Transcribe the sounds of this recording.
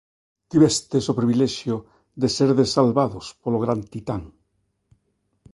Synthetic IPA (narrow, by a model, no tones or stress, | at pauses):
t̪iβest̪esopɾiβileʃjo | ðeseɾðesalβaðospoloɣ̞ɾant̪it̪aŋ